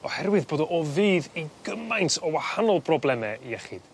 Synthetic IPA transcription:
ɔ̰hɛrwɪðboːdɔʔɔviːðiɡ̥əmajntʰɔwahanɔlˠpʰrɔblˠɛmɛijɛχɪd̥

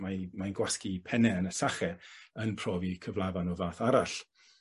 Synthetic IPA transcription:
mamajnɡwaskipʰɛnɛənəsaχɛənpʰr̥ɔːvikʰəvlˠavanɔvaːθaɾaɬ

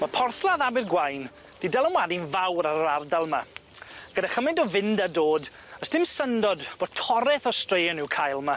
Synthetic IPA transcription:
mapʰɔrθlˠaðabɪrɡwajn | d̥idɛlˠənwadinvawɾaɾardalˠma | ɡ̥ədaχəmɪndɔvɪndadoːd | əsd̥ɪmsəndɔdb̥o̥ːtʰɔɾɛθɔstrejənuwkʰajlˠma

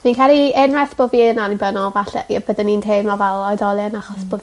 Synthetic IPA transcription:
ninkʰalˠiɛnrɛθb̥oviənanibənɔlvaɬɛ̰jɛbəðənintʰeːmavɛlˠɔɨðɔlˠjanaχɔsb̥ov

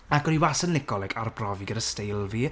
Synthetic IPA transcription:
aɡɔniwasənlɪɡɔlɛɡʰarbrɔviɡədəstejlˠvi

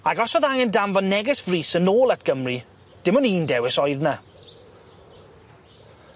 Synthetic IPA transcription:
aɡɔsɔðaŋɛndamvɔnːɛɡɛsv̥riːsənoːlˠat̚ʰɡ̥əmri | d̥ɪmɔniːndɛwɪsɔjðna

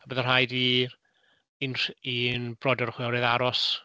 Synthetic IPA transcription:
abɛðər̥ɦajdiː | inrinbrɔdɔɾχwɛwɾɛðaɾɔs

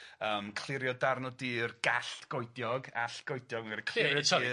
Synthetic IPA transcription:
əmkʰl̥ˠɪɾjɔdarnɔdɨːrɡ̥aɬɡ̥ɔjdjɔɡaɬɡ̥ɔjdjɔɡmaɛɾikʰlˠɪɔ

